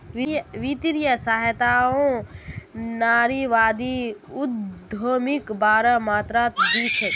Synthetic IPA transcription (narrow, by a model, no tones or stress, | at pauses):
iʋit̪iɾijəsaːɦjt̪aõ | naːɾiʋaːd̪iud̪ʱomikbaːɾəmaːt̪ɾaːt̪d̪it͡ʃʰet̪